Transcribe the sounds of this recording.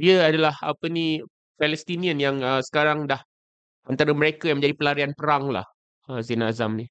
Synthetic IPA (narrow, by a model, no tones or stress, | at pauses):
diəadalaha̰pəni | fɛlɛst̪inĩə̃njaŋəsə̥kaɾaŋdah | ant̪aɾaməɾekajaŋmə̃ɲd͡ʒadipəlaɾianpəɾaŋla̰h | əzinazamni